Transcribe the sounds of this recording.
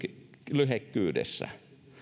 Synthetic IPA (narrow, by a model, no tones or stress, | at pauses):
lyɦekːyːdḛsːæ̰